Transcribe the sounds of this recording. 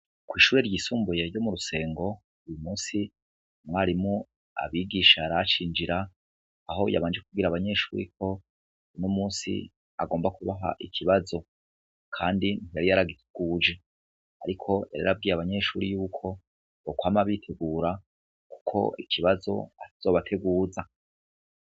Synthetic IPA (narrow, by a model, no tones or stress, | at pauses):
kwiːʃuːɾe̞ɾɟiːsuːmbuje̞ɾɟo̞muɾuse̞ːŋɡo̞ | ujumuːnsi | mŋaːɾimŋu | a̰βiːɡiːʃaɾat͡ʃiːnd͡ʒiɾaː | ɦo̞ja̰βaːnd͡ʒekubɡiɾaβaɲe̞ʃṵːɾḭk̚ʰo̞ | unomuːnsḭ | a̰ɡoːmbakuβaɦa̰ʔikʰiβazo̞ | kʰaːndinijaɾijaɾaɡitʰeɡ̥uːd͡ʒe | aɾikʰo̞ja̰ɾeɾab̚ɡiːɾaβaɲe̞ʃuːɾijuːkʰo̞ | okwaːmaβitʰe̞ɡuːɾa | ku̥kʰo̞̰ikʰiβazo̞̰ataz̥o̞ːβatʰe̞ɡuːza